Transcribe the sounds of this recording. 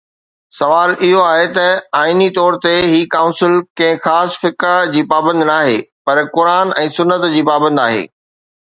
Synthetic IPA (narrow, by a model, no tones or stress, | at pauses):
sɐʋaːlɪɦoaːɦet̪ɐaːinit̪ɔːɾt̪eɦiːkaːʊ̃nsɪlkɐ̃ɦɪ̃xaːsfɪkad͡ʑiːpaːbə̃nd̪naːɦeːpɐɾkʊɾaːnɛ̃ːsʊnːət̪d͡ʑiːpaːbə̃nd̪aːɦḛː